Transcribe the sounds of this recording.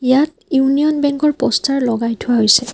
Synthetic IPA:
ijat̚ | juunijɔnbɛŋkɔɹpɔstaɹlɔɡajtʰʊwaɦojsɛ

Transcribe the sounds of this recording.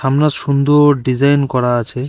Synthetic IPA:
ʃamnaʃund̪oɖid͡ʑajnkɔɾaat͡ɕʰe

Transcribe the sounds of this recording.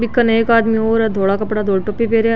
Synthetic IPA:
bɪkːɐnɐekaːd̪mioːɾɛd̪ʱoːɽakɐpɽad̪ʱoːɽʈopipeːɾea

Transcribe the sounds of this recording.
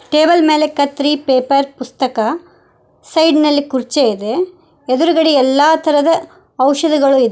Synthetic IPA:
ʈe̞ːbɐlmeːlekɐt̪ɾiːpeːpɐɾpust̪ɐkɐ | sɐjɖnɐlːikuɾt͡ʃeid̪e | ed̪uɾuɡɐɽiɛlːaːt̪ʰɐɾɐd̪ɐ | ɐwʃɐd̪iɡɐɭuid̪e

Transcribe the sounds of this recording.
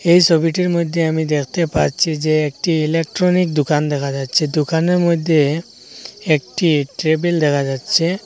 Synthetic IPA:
ejsɔbʱiʈiɾmod̪ʱːjeamid̪ekʰt̪epaɾt͡ʃʰid͡ʒeːk̚ʈiːlek̚ʈɾonik̚d̪ukand̪ɛkʰad͡ʒatːt͡ʃʰed̪ukaneɾmod̪ʱje | ek̚ʈiʈɾebeld̪ɛkʰad͡ʒatːt͡ʃʰe

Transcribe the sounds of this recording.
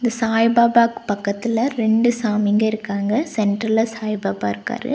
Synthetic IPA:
ɪnd̪ɐsaːjbaːbaːkːɯ̥pɐkːɐt̪ːɪlɐɾɛɳɖɯsaːmɪŋɡɐɪɾɯkːaːŋɡɐsɛɳʈɾɐlɐsaːjbaːbaːɪɾɯkːa̰ːɾɯ̰

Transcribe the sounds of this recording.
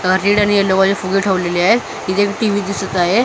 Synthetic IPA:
əɾiɽañieloʋad͡ʑefuɡeʈʰəʋleliaɦet̪ | ɦit̪ekʈiʋiːd̪isət̪aɦe

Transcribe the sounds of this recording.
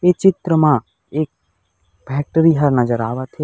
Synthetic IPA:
eːt͡ʃɪt̪ɾəmã | eːk̚ | bʱɛːʈɾiɦɐɾnɐd͡ʒəɾaːʋat̪ʰe

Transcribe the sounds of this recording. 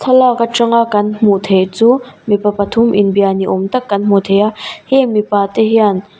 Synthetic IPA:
t̪ʰɔlɔkaʈ͡ʂɐŋakɐnm̥ut̪ʰejt͡suːmipɐpɐt̪ʰumʔinbianiʔɔmt̪ɐkːɐnm̥ut̪ʰejahɛmipaːt̪eɦian

